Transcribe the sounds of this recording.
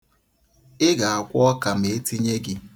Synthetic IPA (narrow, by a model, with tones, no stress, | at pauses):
ɪ˦ɡa˨a˨kʷɔ˦ka˨m̩e˨e˦ti˦ɲe˦ɡɪ˦